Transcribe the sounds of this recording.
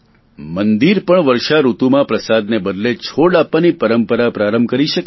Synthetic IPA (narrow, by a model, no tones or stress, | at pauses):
mənd̪iɾpəɳʋəɾʃaɾut̪umãpɾəsad̪nebəd̪let͡ʃʰoɽapʋanipəɾəmpəɾapɾaɾəmbʱkəɾiʃək